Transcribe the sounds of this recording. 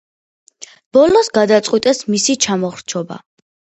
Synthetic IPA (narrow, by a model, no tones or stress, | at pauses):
b̥ɔlɔsɡad̪at̪sʼqʼwit̪ʼɛsmisit͡ʃʰamɔχɾt͡ʃʰɔba̰